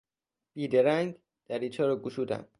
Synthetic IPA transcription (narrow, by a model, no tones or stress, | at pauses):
b̥iːd̪eɾæŋɡ | d̪̥æɾiːt͡ʃʰɒːɾɒɡuʃuːd̪æ̰m